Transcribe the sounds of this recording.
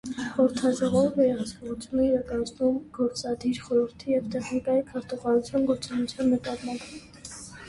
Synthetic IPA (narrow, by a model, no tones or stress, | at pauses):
χɔɾt̪ʰɑd͡ʒɔʁɔɾvɛɾɛʁɑt͡sʰkɔʁut͡sʰjunəiɾɑkɑnt͡snumɡ̥ɔɾt͡sɑd̪iɾχɔɾəɾt̪ʰijɛvt̪ɛχnikɑjikʰɑɾt̪uʁɑɾut͡sʰjɑnɡɔɾt͡sɔnut͡sʰjɑnməp̪ɑt̪mɑnpʰ